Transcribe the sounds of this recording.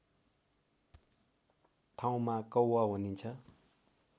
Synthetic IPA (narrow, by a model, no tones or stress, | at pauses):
t̪ʰãw̃makʌwwaɦonint͡sʰʌ